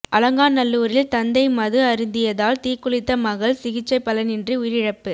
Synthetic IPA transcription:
ʔɐlɐŋɡaːnnɐlːuːɾɪlt̪ɐnd̪ɐɪmɐðɯɐɾɪnd̪ɪjɐðaːlt̪iːkːʊɭɪt̪ːɐmɐɣɐɭsɪɣɪt͡ʃːɐɪpːɐlɐnɪndriʊjɪɾɪɻɐpːɯ

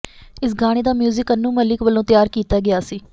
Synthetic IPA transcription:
ɪsɡaːɽ̃eːd̪aːmjuːzɪkənːũːməlɪkʋəlõːt̪ɪjaːɾkiːt̪aːɡɪjaːsiː

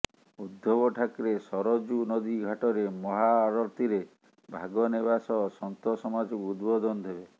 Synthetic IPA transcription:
ud̪ʱːɔbɔʈʰakɾesɔɾɔd͡ʒunɔd̪iɡʱaʈɔɾemɔɦaɾɔɾt̪iɾe | bʱaɡɔneβasɔsɔnt̪ɔsɔmad͡ʒɔkuud̪bɔd̪ɔnɔd̪ʱebe

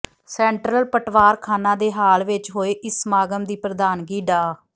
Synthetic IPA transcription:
sɛ̃ːɳʈɾəlpəʈʰʋaːɾkʰaːnãːd̪eːɦaːlʋɪt͡ʃɦoːeːʔɪsmaːɡəmd̪iːpɾəd̪aːnɡiːɖaː

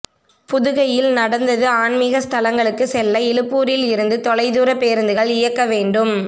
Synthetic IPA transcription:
pʊðɯɣɐjɪlnɐɽɐnd̪ɐðɯaːɳmɪɣɐst̪ʰɐlɐŋɡɐɭɯkːɯsɛlːɐɛlɯpːuːɾɪlɪɾɯnd̪ɯt̪ɔlɐɪðuːɾɐpːeːɾɐnd̪ɯɣɐɭɪjɐkːɐʋeːɳɖɯm

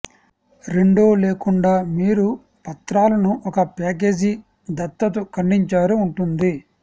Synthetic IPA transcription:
ɾe̞ɳɖoːleːkuɳɖaːmiːɾu | pɐt̪ɾaːlɐnuʔɔkɐpaːk̬e̞ːd͡ʒi | d̪ɐt̪ːɐt̪ukɐɳɖiɲt͡ʃaːɾuːɳʈund̪i

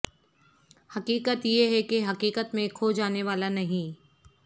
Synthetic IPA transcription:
hɐqiːkət̪jeɦɛkeɦɐqiːkət̪mẽkʰod͡ʒaːneʋaːlanɐɦĩ

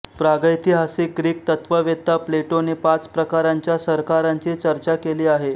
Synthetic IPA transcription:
pɾaɡəjt̪ʰiːɦasiɡɾiːk̚t̪ət̪ʋəʋet̪ːapleʈonepat͡spɾəkaɾaɲt͡ɕjasəɾkaɾaɲt͡ɕit͡ɕəɾt͡ɕakeliːaɦe

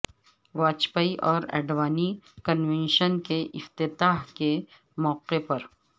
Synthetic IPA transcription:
ʋaːt͡ʃpaːiʔɔːɾɛ̰ːɖʋaːnikənʋɛ̃nʃənkeʔɪft̪ɪt̪aːɦke | mɔːqepɐɾ

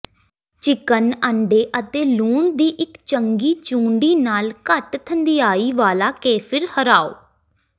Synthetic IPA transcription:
t͡ʃɪkənəɳɖeːʔət̪eːluːɳd̪iːʔɪkt͡ʃəŋɡiːt͡ʃũːɳɖiːnaːlkəʈt̪ʰənd̪ijaːiːʋaːlaːkeːpʰɪɾhəɾaːo̰ː

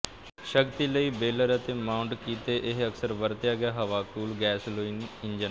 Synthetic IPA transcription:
ʃəkt̪iːləiːbeːləɾət̪eːmaːʊɳʈkiːt̪eːʔɪɦəksəɾʋəɾt̪jaːɡɪjaːɦəʋaːkuːlɡɛːsloːiːnɪnd͡ʒən

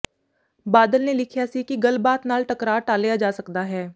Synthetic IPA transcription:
baːd̪əlneːlɪkʰjaːsiːkɪɡəlbaːt̪naːlʈəkɾaːʈaːlɪjaːd͡ʒaːsəkd̪aːɦɛː

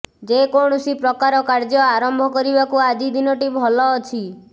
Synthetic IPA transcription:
d͡ʒekoɳ̃ɔsipɾɔkaɾɔkaɾd͡ʒɔaɾɔmbʱɔkɔɾibakuad͡ʒid̪inɔʈibʱɔlɔːt͡ʃʰi

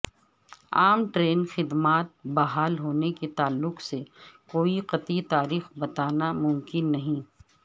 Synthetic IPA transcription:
aːmʈɾeːnxɪd̪maːt̪̚bɐɦaːlɦoːneket̪aːlːʊqsekoːiqɐt̪it̪aːɾiːxbɐt̪aːnamʊmkɪnːɐɦĩː

